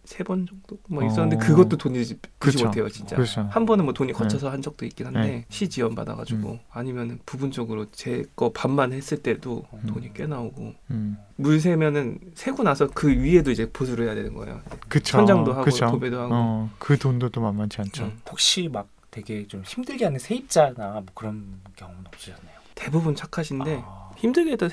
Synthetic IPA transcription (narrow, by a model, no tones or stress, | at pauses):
sʰe̞bʌnd͡ʑʌk̚t͈omʌiss͈ʌnːɯndekɯɡʌt̚t͈otoɲid͡ʑipuɕimotʰe̞jot͡ɕint͡ɕ͈a̰t͡ɕʰhambʌnɯnmwʌtoɲikʰʌt͡ɕʰʌsʰʌhand͡ʑʌk̚t͈oik͈inɦande̞ɕʰid͡ʑiʌmba̰da̰ɡa̰d͡ʑuɡo̰aɲimjʌnɯnpubund͡ʑʌɡɯɾot͡ɕe̞k͈ʌpamːanhe̞s͈ɯɭt͈e̞dotoɲik͈e̞naoɡo̰ | muɭs̬ʰe̞mjʌnɯnsʰe̞ɡonasʰʌkɯɥie̞doid͡ʑe̞posʰuɾoɦe̞jade̞nɯ̰nɡʌ̰ḛjo̰ekɯt͡ɕʰoʌnd͡ʑaŋdoɦaɡkɯootobedoɦaɡokɯdondot͈omammant͡ɕʰiant͡ɕʰohok̚ɕ͈imak̚twe̞ɡe̞t͡ɕomçimdɯɭɡeɦanːɯnsʰe̞ip̚t͡ɕ͈anamwʌkɯɾʌnkjʌŋomnʌp̚t͡ɕ͈id͡ʑanːajote̞bubunt͡ɕʰakʰaɕʰinde̞çimdɯɭɡeɦet͈ʌ